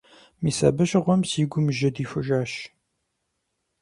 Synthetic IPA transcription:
miːsɐ̰bɨʃʁʷɔmsiːɡʷʊmʒɐd̪iːfɨʒaːʃ

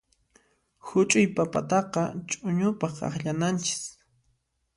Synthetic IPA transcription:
hʊt͡ʃʼʊjpapa̰t̪ɑqɑt͡ʃʼʊɲʊpɑχɑ̰χʎanant͡ʃɪ̥s

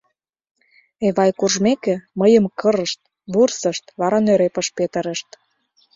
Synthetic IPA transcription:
eβɑjkurʒmekĕməjəmkəɾəʃt̪̚ | βursəʃt̪βɑɾɑnøɾepə̆ʃpet̪ə̆ɾə̆ʃt̪

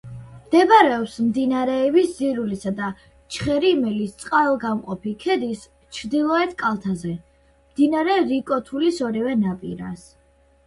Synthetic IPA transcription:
md̪̥ɛbaɾɛɔpsmd̪inaɾɛːbisziɾulisad̪a | t͡ʃʰχɛɾimɛlist̪sʼqʼalˠɡamqʼɔpʰikʰɛd̪is | t͡ʃʰɾd̪ilˠɔɛt̪ʰkʼalˠt̪ʰazɛ | md̪inaɾɛɾikʼɔt̪ʰulisɔɾivɛnapʼḭɾa̰s

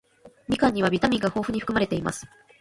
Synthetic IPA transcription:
mʲikãɲ̟ːiβ̞abʲit̪amʲĩŋɡaho̞ːɸɯ̟ɲ̟iɸɯ̟kɯmaɾe̞t̪e̞ima̰sɨ̥

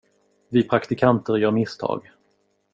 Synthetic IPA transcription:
vɪpʰɾakt̪ɪkʰant̪əɾjœːɾmɪst̪ʰɑ̰ːɡ

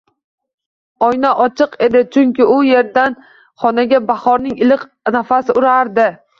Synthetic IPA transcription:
ɒjnaʔɒt͡ʃʰɨqe̞d̪ɪt͡ʃʰʊŋkʲɪʊje̞ɾd̪an | χɒnaɡʲabaχɒɾnɪŋɪlɪq | nafasɪʊɾaɾd̪ɪ

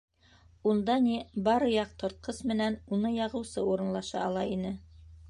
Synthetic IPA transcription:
und̪ɑnibɑɾɤ̆jɑq̚t̪ŏɾt̪̚qɤsmɘ̆nænunɤjɑʁɤ̆wsɤuɾɤ̆nlˠɑʃɑ̰ɑlˠɑinɘ

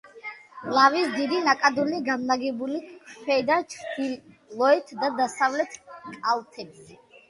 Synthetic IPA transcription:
lavisd̪id̪inakʼad̪uniɡamlaɡɛbulipʰɛd̪ant͡ʃʰχd̪ʰi | lɔɛt̪ʰd̪ad̪asavlɛt̪ʰkʼalt̪ʰɛbsɛ

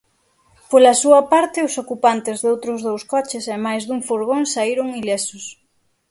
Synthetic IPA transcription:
polɐsuɐpaɾt̪ɪʊsokupant̪ɪzðowt̪ɾʊzðowskɔt͡ʃɪsɛmajzðuŋfoɾɣoŋsaiɾʊŋilesʊs

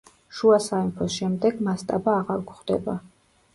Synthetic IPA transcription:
ʃuasaimpʰɔsʃɛmd̪ɛɡmast̪ʼabaːʁaɾɡχd̪ɛ̰ba

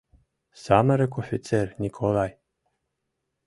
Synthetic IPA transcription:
saməɾekofʲit̪sernʲikʰolˠaj

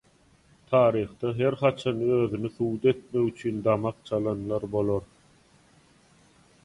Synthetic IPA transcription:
t̪ʰɑːɾiːχd̪ɑɦe̞ɾχɑt͡ʃʰɑnøːðynyθuːd̪e̞t̪̚meɣyt͡ʃʰynd̪ɑmɑq̚t͡ʃʰɑlˠɑnlˠɑɾbo̞lˠoɾ

